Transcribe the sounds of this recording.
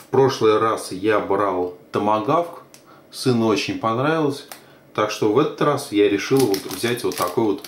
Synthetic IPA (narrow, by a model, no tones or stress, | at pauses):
fpɾo̞ʂlˠɨjɾasjabɾalˠt̪əmɐɡafk | sɨnəo̞t͡ɕɪnʲpɐnɾavʲɪlˠəsʲ | t̪akʂt̪o̞vɛt̪ət̪rasjaɾʲɪʂɨlˠvot̪vzʲætʲvo̞t̪ːɐko̞jvo̞t̪